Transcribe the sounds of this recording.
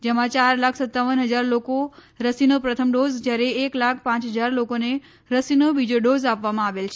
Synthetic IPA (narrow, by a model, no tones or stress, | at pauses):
d͡ʒemãt͡ʃaɾlakʰsət̪ːaʋənɦəd͡ʒaɾloko | ɾəsinopɾət̪ʰəmɖozd͡ʒjaɾeeklakʰpãt͡ʃɦəd͡ʒaɾlokone | ɾəsinoʋid͡ʒoɖozapʋamãaʋelt͡ʃʰ